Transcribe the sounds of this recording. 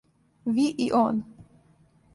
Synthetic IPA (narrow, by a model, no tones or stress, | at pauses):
viʔiʔɔn